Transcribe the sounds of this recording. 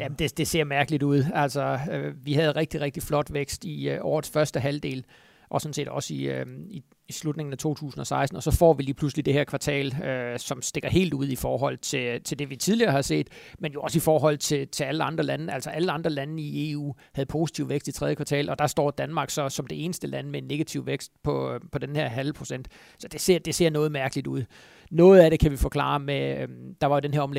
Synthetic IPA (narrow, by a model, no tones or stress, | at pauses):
jæmd̥e̝d̥e̝se̝ɐ̰mæɐɡ̥əliduð̞̰ˠælsɒøʋihæð̩ˠʁɛɡ̥̚d̥iʁɛɡ̥̚d̥iflɒ̽d̥ʋeɡ̥sd̥iʔɒːð̩ˠsfɶɐsd̥əɦæld̥e̝̰ːl | ʔɒ̽sɔ̽n̩se̝̰ːd̥ɒ̽siøi | islud̥ne̝ŋn̩æt͡sʰo̝̰ːt͡sʰṵːsn̩ɒ̽sɑ̈ɪsd̥n̩ɒ̽sɒ̽fɒ̰ːʋiliːpʰluslid̥e̝hɛɐkʰʋɑ̈t͡sʰɛ̰ːløsɒ̽msd̥e̝ɡ̥ɐɦe̝̰ːld̥uð̞̰ˠifɒːɦɒ̽l̰t͡sʰe̝t͡sʰe̝ld̥e̝ʋit͡sʰið̞ˠliɐːhɑ̈se̝̰ːd̥menjo̝ɒ̽sifɒːɦɒ̽l̰t͡sʰe̝lt͡sʰe̝æləɑ̈nd̥ʁɐlænəæl̰sɒ̽ʔæləɑ̈nd̥ʁɐlæn̩ie̝ːṵːhæð̞̩ˠpʰo̝ːsi̥t͡sʰiʊʋeɡ̥sd̥it͡sʰʁɛðˠjəkʰʋɑ̈t͡sʰɛ̰ːlʔɒ̽d̥ɑ̈sd̥ɒ̰ːd̥ænmɑ̈ːɡ̥sɒ̽sɒ̽md̥e̝e̝ːnəsd̥əlʔænəmeenːe̝ɡ̥æt͡sʰiʊʋeɡ̥sd̥pʰɒ̽pʰɒ̽d̥enheɐ̰ɦælpʰʁo̝sen̰d̥ | sɒ̽d̥e̝se̝ɐ̰d̥e̝se̝ɐ̰nɔ̽ːð̩ˠmæɐɡ̥əlid̥uð̞̰ˠ | nɔ̽ːð̞̩ˠæɾe̝kʰæʋifɒ̽kʰlɑ̰̈med̥ɑ̈ʋɑ̈jo̝d̥enɦeɐɒ̽mle